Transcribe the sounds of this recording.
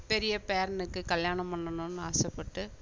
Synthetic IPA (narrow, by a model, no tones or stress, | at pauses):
pɛɾɪjɐpeːɾɐnɯkːɯkɐljaːnɐmpɐɳːɐnɐnːɯaːsɛpːɐʈːɯ